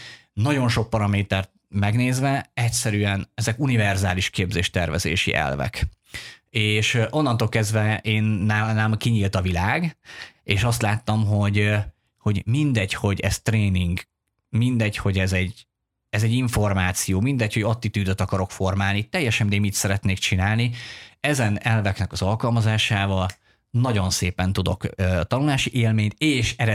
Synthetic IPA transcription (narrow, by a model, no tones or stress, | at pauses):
nɒɟo̞nʃo̞k̚pɒɾɒmeːt̪ɛrt̪̚mɛɡneːzvɛɛcsɛɾyɛnɛzɛkunivɛrzaːliʃkeːbzeːʃt̪ɛrvɛ̰zḛːʃḭʔɛ̰lvɛ̰k | eːʃʔo̞nːɒnt̪oːlkɛzd̪vɛʔeːnːaːnamkiɲiːlt̪ɒvilaːɡeːʃɒst̪laːt̪ːɒmɦo̞ɟ | ho̞ɟmind̪ɛcho̞ɟɛzt̪reːniŋɡ | mind̪ɛcho̞ɟɛzɛɟ | ɛzɛɟːiɱfo̞rmaːt̪sijoːmind̪ɛcho̞ɟot̪ːit̪yːd̪øt̪ɒkɒɾo̞kfo̞rmaːlnit̪ɛjːɛʃɛmd̪eːmit̪sɛɾɛt̪neːkt͡ʃinaːlniɛzɛnɛlvɛknɛkɒzɒlkɒlmɒzaːʃaːvɒl | nɒɟo̞nseːpɛnt̪ud̪o̞̰køːt̪ɒnulaːʃiʔeːlmeːɲt̪eːʃɛɾɛ